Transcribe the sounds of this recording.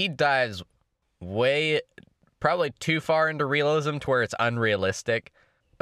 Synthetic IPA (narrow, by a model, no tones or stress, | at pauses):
idaɪz | weɪ | pʰɹ̥ɑbəblitʰʉfɑɹɪ̃ntʉɹiəlˠɪzɨ̃mtʰəwɔɹdsə̰̃nɹiəlɪstɪk